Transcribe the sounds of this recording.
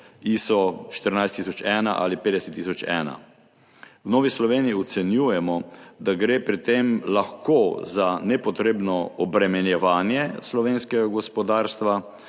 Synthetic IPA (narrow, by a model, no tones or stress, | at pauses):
isɔʃt̪əɾnajst̪isɔt͡ʃɛːna̰ʔa̰lipeːd̪ɛsɛt̪ːisɔt͡ʃɛ̰ːna̰ | wnoːʋislɔʋeːnijiɔt̪sɛnjuːjɛmɔd̪aɡɾeːpɾit̪emlaxkoːzanɛpɔt̪ɾeːbnɔɔbɾɛmɛnjɛʋaːnjɛslɔʋeːnskɛɡaɡɔspɔd̪aːɾst̪ʋa